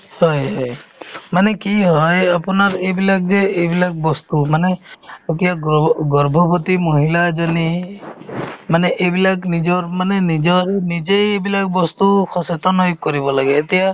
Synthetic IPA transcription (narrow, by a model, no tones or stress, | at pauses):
hɔjɦɔjmanekiɦɔjapɔnaɾebilak̚d͡ʒeːbilak̚bɔst̪umaneokijaɡɔɾbʱɔbɔt̪imɔɦilad͡ʒɔni | maneʔebilaknid͡ʒɔɾmanenid͡ʒɔɾenid͡ʒejebilak̚bɔst̪uxʰɔset̪ɔnɔjkɔɾibɔlaɡeːt̪ija